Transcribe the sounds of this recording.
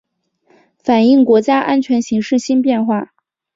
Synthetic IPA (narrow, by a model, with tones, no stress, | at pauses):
fa˨˩ni˥˩ŋkwɔ˧˥t͡ɕja˥ʔa˥nt͡ɕʰɥɛ˧˥nɕi˧˥ŋʂɻ̩˥˩ɕi˥npjɛ˥˧nxwa˥˩